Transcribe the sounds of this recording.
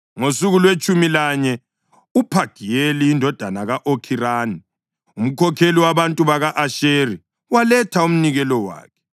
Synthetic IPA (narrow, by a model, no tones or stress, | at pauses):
ŋosuɣulwet͡ʃʼumilaɲɛ | upʰaɡ̥ʱijeliːndʱɔd̥ʱanaɣaʔokʰiraːni | um̩kʰɔkʰeliwaβantʼuβaɣaʔaʃeri | walɛtʰaum̩niɣɛlɔwa̰ːkʰɛ̥